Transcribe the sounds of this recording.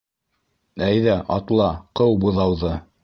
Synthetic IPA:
æjðæʔɑt̪lˠɑqɤwbŭðɑwðɤ

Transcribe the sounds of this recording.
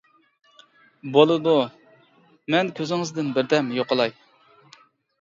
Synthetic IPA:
bolˠɨd̪u | mɛnkʲʰøzɪŋɨzd̪ɪnbɪɾd̪ɛmjoqəlˠɑj

